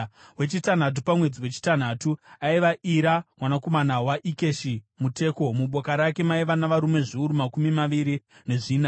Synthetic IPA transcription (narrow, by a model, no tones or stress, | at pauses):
we̞t͡ʃitan̤at̬upamwe̞d͡ziwe̞t͡ʃi̥tan̤aːtuaiʋaʔiɾamwanako̞manawaʔikeʃimute̞ːko̞muɓo̞kaɾake̞maiʋanaʋaɾume̞ʐiuɾumakumimaʋiɾine̞ʐiːna